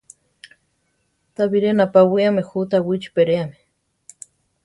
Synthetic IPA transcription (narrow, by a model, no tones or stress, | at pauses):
t̪aβiɾenapawiamexut̪awit͡ʃu̥peɾeame̥